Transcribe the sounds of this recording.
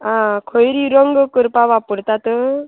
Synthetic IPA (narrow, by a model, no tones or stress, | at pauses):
ãkʰɔjɾiɾɔŋɡɯkɯɾpabapuɾt̪at̪ɯ